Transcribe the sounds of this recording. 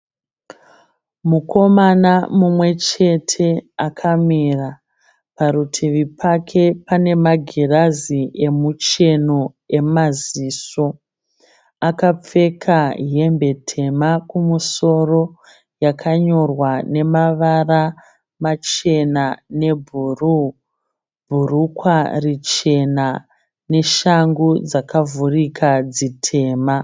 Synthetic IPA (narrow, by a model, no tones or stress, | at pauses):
muko̞manamumwe̞t͡ʃe̞tʰe̞akʰamira | paɾutʰiʋipakʰe̞pane̞maɡʱiraziʔe̞mut͡ʃe̞no̞ | e̞maziːso̞ | akap͡fe̞kʰaɦe̞mbe̞tʰe̞makumuso̞ro̞ | jakʰaɲo̞rwane̞maʋara | mat͡ʃe̞nane̞bʱru | bʱurukwarit͡ʃe̞na | ne̞ʃaŋɡud͡zakavurikʰad͡zitʰe̞ːma